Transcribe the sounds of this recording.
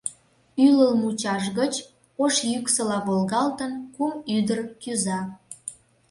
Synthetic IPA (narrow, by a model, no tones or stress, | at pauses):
yləlmut͡ɕɑʃɣət͡ɕ | oʃjyksəlɑβolɣɑlt̪ənkumyd̪ərkyzɑ